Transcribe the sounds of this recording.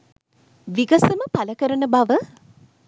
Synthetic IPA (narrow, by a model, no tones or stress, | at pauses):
ʋiɡɐsəməpaləkəɾənəbaʋə